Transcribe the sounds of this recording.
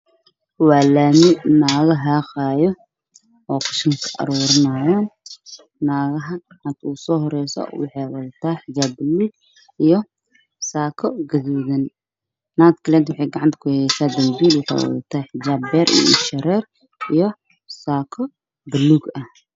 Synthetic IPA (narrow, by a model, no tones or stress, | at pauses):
waːlaːmɪnaːɣɐɦaːqaːjɔ | ʔɔːkʰɐ̥ʃɪŋkʰɐ̥ʔɐ̰ɾuːɾɪnaːjaːnː | aːɣɐɦɐɡɐʕant̪ʰuːsɔːɦɔɾɛjsɔ̰wɑ̰ħɑjwɐðɐt̪ʰaːħɪd͡ʒaːbːɪlːuːɡ̚ | ʔijɔ | saːkʰɔɡɐðuːðɐnː | at̪kʰɐlɛːt̪wʊħɛjɡɑʕant̪ʰɐ̥kʰʊhɛjsaːd̪ɐmbiːlwɑħɛ̰wɔ̰ðɐt̪ʰaːħɪd͡ʒaːbːɛːɾʔḭj̰ɪ̰ʃɐɾɛːr | ʔijɔ | saːkʰɔ | bɪlːuːɡɐh